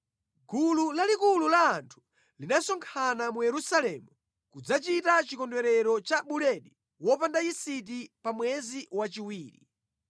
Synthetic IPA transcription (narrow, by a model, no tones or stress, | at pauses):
ɡululalikululaːntʰu̥ | linasɔŋkʰanamujɛɾusalɛmu | kud͡zat͡ʃitat͡ʃikɔndwɛɾɛɾɔt͡ʃaɓulɛɗi | wɔpandaisit̬ipamwɛziwat͡ʃiwiːɾḭ